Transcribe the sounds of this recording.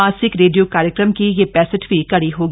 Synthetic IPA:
aːsɪkɾeːɖijokaːɾjəkɾəmkijepɛːsə̃ʈbʱikɐɽiɦoːɡ

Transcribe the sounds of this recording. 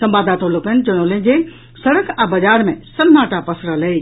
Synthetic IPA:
sɐ̃mbaːd̪at̪ʰolʊkən̆d͡ʑənoːlin̆d͡ʑeː | sɐɽəkʰɛ̃ːbɐd͡ʑaːɾmẽsɐmnaːʈʰapɐsɾəlɐe

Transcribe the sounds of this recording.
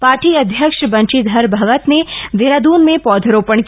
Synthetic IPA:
paːɾʈiɐd̪ʱjəkʃbɐ̃nt͡ʃid̪ʱɐɾbʱɐʋət̪ned̪eɾad̪uːnmẽpɔːd̪ʱəɾoːpəɳ̃k

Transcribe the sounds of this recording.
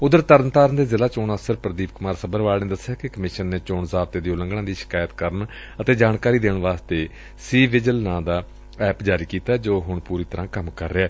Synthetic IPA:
ʊd̪əɾt̪əɾənt̪aːɾənd̪eːzɪlaːt͡ʃoːnəːsəɾpɾəd̪iːpkʊmaːɾsəbəɾʋaːlnẽːd̪əsːjaːkekəmɪʃənːeːt͡ʃoːɳzaːbt̪eːd̪iːʊlə̃ŋɡɽãːd̪iːʃɪ̥kaːjət̪kəɾən | ət̪eːd͡ʒaːɳkaːɾiːd̪eːɳʋaːst̪eː | siːʋɪd͡ʒəlnãːd̪aː | ɛːpd͡ʒaːɾiːkiːt̪aːɛd͡ʒoːɦʊɳpuːɾiːt̪əɾãːkəmkəɾːeɛː

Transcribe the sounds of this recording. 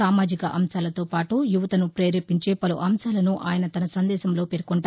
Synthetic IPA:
aːmaːd͡ʒikɐʔɐmsaːlɐt̪o̞ːpaːʈujuʋɐt̪ɐnupɾeːɾeːpiɲt͡ʃe̞ːpɐluʔɐmsaːlɐnuʔa̰ːjɐnɐt̪ɐnɐsɐnd̪ɛːʃɐmloːpeɾkoɳʈa

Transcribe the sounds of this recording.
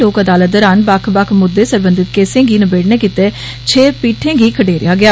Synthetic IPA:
loːkəd̪aːlət̪̚d̪ɔːɾaːnbakʰbakʰmʊd̪ːeːsəɾbə̃nd̪ɪt̪keːsẽːɡiːnəbeːɽnẽːkɪt̪eː | t͡ʃʰeːpiːʈʰẽːɡiːkʰəɖeːɾɪ̰jaːɡɪaː

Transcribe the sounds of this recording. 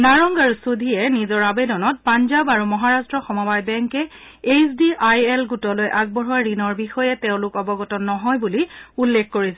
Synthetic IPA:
naɹɔŋɡaɹusudʱiɛnizɔɹabedɔnɔt̚panzabaɹumɔɦaɹastɹɔxɔmɔbajbɛŋkɛ | esdiʔajɛlɡutɔlojʔaɡ̚bɔɹɔwaɹinɔɹbixɔjɛteʊ̃lʊkɔbɔɡɔtɔnːɔɦɔjbuliulːekkːoɹisɛ

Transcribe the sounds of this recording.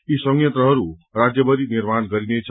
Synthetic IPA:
isʌŋjʌnt̪ɾʌɦʌɾuɾad͡zjʌbʌɾiniɾmanɡʌɾinet͡sʰ

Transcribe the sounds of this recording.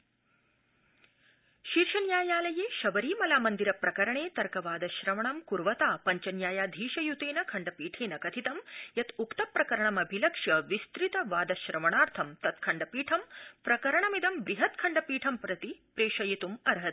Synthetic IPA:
ʃiːɾʂɐnjaːjaːlɐjeːʃɐʋɐɾiːmɐlaːmɐnd̪iɾɐpɾɐkɐɾɐɳeːt̪ɐɾkɐʋaːd̪ɐʃɾɐmɐɳɐmkuɾʋɐt̪aːpɐɲt͡ʃɐnjaːjaːd̪ʱiːʃɐjut̪eːnɐkʰɐɳɖɐpiːʈʰeːnɐkɐt̪ʰit̪ɐmjɐt̪ukt̪ɐpːɾɐkɐɾɐɳɐmɐbʱilɐkʂjɐʋist̪ɾit̪ɐʋaːd̪ɐʃɾɐmɐɳaːɾt̪ʰɐmt̪ɐt̪kʰɐɳɖɐpiːʈʰɐmpɾɐkɐɾɐɳɐmid̪ɐmbɾiɦɐt̪kʰɐɳɖɐpiːʈʰɐmpɾɐt̪ipɾeːʂɐjit̪umɐɾɦɐt̪̚

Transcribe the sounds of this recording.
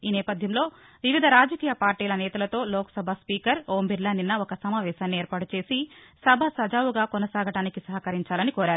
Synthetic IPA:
iːnɛːpɐd̪ʱjɐmlo̞ː | ʋiʋid̪ʱɐɾaːd͡ʒɐkiːjɐpaːɾʈiːlɐnɛːt̪ɐlɐt̪o̞ːlɔːkɐ̥sɐbʱaːspiːkɐɾoːmbiɾlɐːninːɐɔkɐsɐmaːʋɛːʃaːnːieːɾpaːʈut͡ʃe̞ːsisɐbʱɐsɐd͡ʒaːʋuɡaːkɔnɐsaːɡɐʈaːnikisɐɦɐkɐɾiɲt͡ʃaːlɐnikoːɾaːɾu

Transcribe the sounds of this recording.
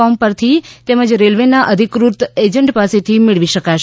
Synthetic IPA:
ɔmpəɾt̪ʰit̪ɛməd͡ʒɾelʋenaʔəd̪ʱikɾut̪ed͡ʒəɳʈpaset̪ʰimɪɭʋiʃəkaʃ

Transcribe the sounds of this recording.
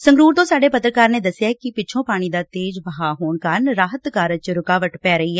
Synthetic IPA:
sə̃ŋɡɾuːɾt̪õːsaːɖeːpət̪ɾəkaːɾneːd̪əsːjaːkɪpɪːt͡ʃʰõːpaːɽ̃iːd̪aːt̪eːd͡ʒbəɦaːɦoːɳkaːɾnɾaːɦət̪kaːɾət͡ʃɾʊkaːʋəʈpɛːɾəiːɦɛː

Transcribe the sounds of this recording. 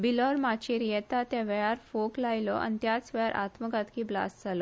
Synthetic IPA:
bilɔɾmat͡ɕiɾijɛt̪at̪jaʋəjaɾfoklajlɔʔa̰nt̪jat͡sʋəjaɾʔa̰t̪məkãt̪kibla̰st̪d͡zalɔ

